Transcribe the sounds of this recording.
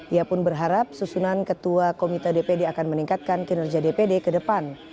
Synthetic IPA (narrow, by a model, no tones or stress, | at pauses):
ʔiapʊnbərɦaɾap̚susunankət̪uakomit̪ədepedeakanməniŋkat̪̚kankənərd͡ʒadepedekədəpan